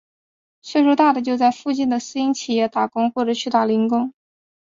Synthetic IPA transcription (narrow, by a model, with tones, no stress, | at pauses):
ʂɛ˥˧ʂu˥˧˥t̪a˥˩d̪ə˩t͡ɕjo˥˧ʊt͡sa˥˧ɪfu˥˧t͡ɕi˥˩nd̪ə˩sɹ̩˥i˥ŋt͡ɕʰi˨˩jɛ˥˩t̪a˨˩kʊ˥ŋxwɔ˥˩ʈ͡ʂɤ˨˩t͡ɕʰy˥˩t̪a˥˩li˧˥ŋkʊ˥ŋ